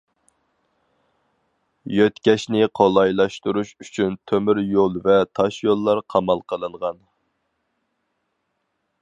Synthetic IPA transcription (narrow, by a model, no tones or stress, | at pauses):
jøt̪kʲɛʃnɪqʰolˠɑjlˠɑʃt̪uɾuʃyt͡ʃʰynt̪ʰømyɾjolˠvɛt̪ʰɑʃjolˠːɑɾqʰɑmɑlˠqʰəlˠɨɴʁɑn